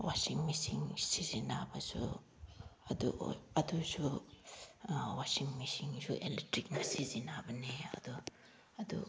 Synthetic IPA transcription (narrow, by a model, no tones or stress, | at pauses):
wasiŋmisiŋsizinabɐsu | ɐd̪ṵɐd̪usu | wasiŋmisiŋsuʔelitɾik̚nasizinabɐneɐ̰d̪u | ɐd̪ṵ